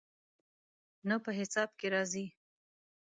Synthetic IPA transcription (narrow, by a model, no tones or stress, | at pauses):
napəɦɪsɑb̚keɾɑzi